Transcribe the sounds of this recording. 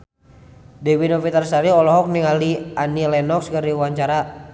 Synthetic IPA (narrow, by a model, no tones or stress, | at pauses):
dɛwinɔfit̪arsaɾiɔlɔɦɔk̚niŋalianilɛnɔkskəriwaɲt͡ʃaɾa